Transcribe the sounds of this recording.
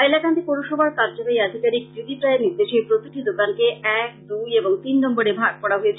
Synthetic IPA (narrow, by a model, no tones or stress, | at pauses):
ajlakand̪ipoɾoʃɔbaɾkaɾd͡ʑonejad̪ʱikaɾik̚dɾid̪ʱipɾaeɾniɾd̪eʃepɾot̪iʈid̪okankeɛk̚d̪ujeboŋt̪inːɔmboɽebʱaɡ̚pɔɽaɦojet͡ɕʰ